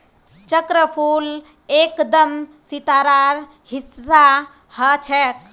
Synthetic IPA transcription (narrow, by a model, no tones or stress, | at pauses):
t͡ʃəkɾəpʰuːl | eːkd̪əmsit̪aːɾaːɾ | hisa | hət͡ʃʰɛk